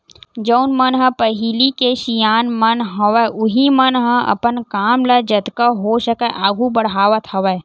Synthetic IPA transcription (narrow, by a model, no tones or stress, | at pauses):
d͡ʒəʊnmənɦə̃pəɦilikeʃijaːnmənɦɐʋəʔʊɦimənɦə̃ʔɐ̰pənkaːmləd͡ʒɐt̪kəɦoʃəkəʔaːɡʱubɐɽ̤ɦaːʋət̪ɦɐʋə